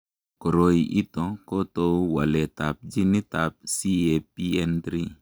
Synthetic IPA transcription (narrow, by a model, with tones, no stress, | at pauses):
ko˨ɾo˦i˨ʔi˦t̪ɔ˨ko˦to˧wa˨le˨ta˨p̚d͡ʒi˦ni˦ta˨p̚si˦e˨pi˦ɛ˦ndɾi˦